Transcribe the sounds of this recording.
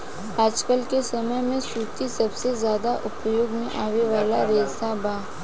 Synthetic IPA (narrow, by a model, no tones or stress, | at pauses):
aːd͡ʒkəlkesɐməjmẽsuːt̪isɐbsezjaːd̪aʔʊpjoːɡmẽʔaːʋeʋaːlaɾeːsabaː